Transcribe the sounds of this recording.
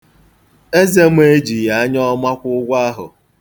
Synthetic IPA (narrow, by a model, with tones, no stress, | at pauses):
e˦ze˦mʷ˦e˦d͡ʒi˨ja˨a˦ɲɔ˦ma˦kʷʊ˦ɡʷa˦ɦʊ̰˨